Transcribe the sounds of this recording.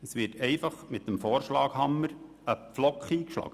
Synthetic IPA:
əsʋɪtʰɛɪfɑχmɪt̚dəmfɔːɾʃlɑːkhɑmːəɾ | əpflɔkχiːkʃlɑ̰ːɡ̥ə

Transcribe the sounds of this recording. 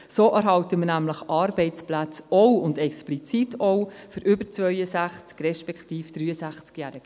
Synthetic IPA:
soːʔæɾɦɑwtəmənæmləχɑːɾbɛɪt͡splæt͡sɔʊndɛksplit͡sitʰɔwfʏɾʏbəɾt͡svœʏəsæχt͡skrɛʃpɛkχtiːfd̥ɾyːəsæχt͡skjæːɾɪɡ̥

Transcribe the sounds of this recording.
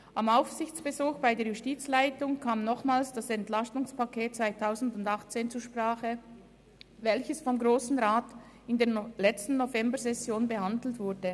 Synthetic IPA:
ʔamaʊfsɪçt͡sb̥əzuːxb̥aɪdeːɐjustiːt͡slaɪtʊŋkʰaːmnɔχmaːlsd̥asɛntlastʊŋspakʰeːt̚t͡sv̥aɪtʰaʊzn̩dʊndaχt͡seːnt͡suːʃpʁ̥aːχə | vɛlçəsfɔmɡʁoːsn̩ʁaːt | ɪndeːɐlɛt͡stn̩ːovɛmbəzɛsjoːnbəhandl̩tv̥ʊɐdə

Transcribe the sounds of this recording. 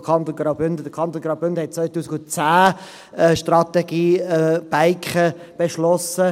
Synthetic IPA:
kʰɑnt̪onɡ̥raʊbʏnd̪əd̥̪əkʰɑnt̪onɡraʊbʏndəhɛt̚t͡svœʏtuːsɪɡʊnt͡saː | ɛʃtrɑt̪ɛɡ̥iːb̥aɪkχə | b̥eʃlɔsə

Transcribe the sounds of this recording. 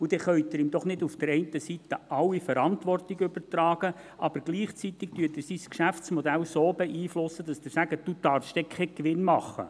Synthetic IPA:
ud̥ɛχœʏɥt̪ɪɾɪmd̥̪ɔχnɪdufd̥əɾɛɪntəsit̪əʔɑwifəɾɑntʋɔrtɪɡʏbəɾt̪ɾɑːɡ̥ə | ʔɑb̥əɾɡ̥liːχt͡sit̪ɪk̚tyːtɪɾsiskʃæft͡smɔd̪ælsoːbɛʔiːflʊsːəd̪ɑsd̪ɪsæɡ̥əd̥ud̥ɑɾfʃt̪ɛkʰɛkʋɪnmɑχːə̰

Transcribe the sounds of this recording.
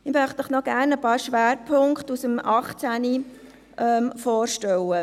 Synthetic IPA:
ɪmœχtəχnɔɡ̥æːɾnəpɑːɾʃʋæːɾpʰʊŋkχtusəmɑχt͡sæni | ʔɛmfɔːɾʃtɛwə

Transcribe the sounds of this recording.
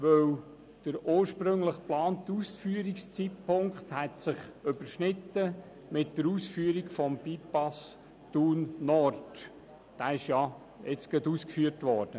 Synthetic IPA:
ʋœw | d̥əɾoːɾʃpɾʏŋləχplɑːnt̪uːsfyəɾikst͡sitpʰʊŋkχthɛtsɪχʏb̥əɾʃnɪtːə | mɪt̚d̥əɾuːsfyəɾikfɔmpipɑs | tunːɔɾd | d̥æːɪʃjɑ | ɛt͡sɡ̥əduːskfyːəɾtʋɔːɾd̥ə

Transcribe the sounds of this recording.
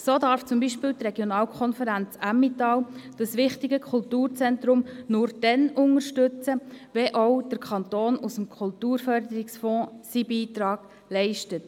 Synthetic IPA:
soːdɑːɾft͡sʊmbiːʃpɪːlt̪rɛɡjonɑːlkʰɔnfəɾænt͡sæmːitɑld̥ɑsʋɪχtɪɡəkʰʊltuːɾt͡sɛntɾʊmnʊːɾd̥ɛnʊŋəɾʃtɵt͡səʋɛʔɔʊd̥əɾkʰχɑntoːnusəmkʰχʊltuːɾfœɾdəɾɪksfɔ̃ːsibiːtɾɑːɡ̥ | lɛɪʃtət

